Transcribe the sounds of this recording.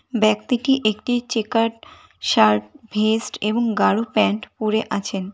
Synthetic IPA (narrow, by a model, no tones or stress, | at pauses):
bɛk̚t̪iʈiʔekʈit͡ɕekaʈ | ʃaɾʈbʱesʈeboŋɡaɽopɛɳʈpuɾeʔat͡ɕʰen